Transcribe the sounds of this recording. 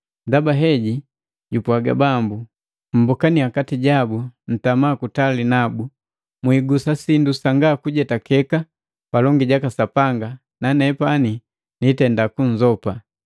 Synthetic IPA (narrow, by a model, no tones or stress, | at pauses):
ndabaɦɛɟi | ɟupwaɡa̰bambu | m̩bɔkaniakatiɟabun̩tamaːkutalinabu | mwiɡusasindusaŋɡakuɟɛtakɛka | palɔŋɡiɟakasapaŋɡa | nanɛpani | nitɛndakuɲ̩zɔpa